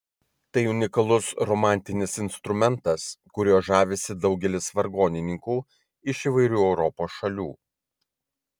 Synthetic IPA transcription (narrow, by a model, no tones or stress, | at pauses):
t̪ɐɪʊnʲɪkɐlˠʊsɾɔmɑˑnʲt̪ʲɪnʲɪsɪnst̪ɾʊmʲɛnt̪ɐskʊɾʲoːʒɑːʋʲesʲɪd̪ɒʊɡʲɛlʲɪsʋɐɾɡoːnʲɪnʲɪŋkuː | ɪʃiːʋɐɪɾʲuːɛʊɾɔpoːsʃɐlʲuː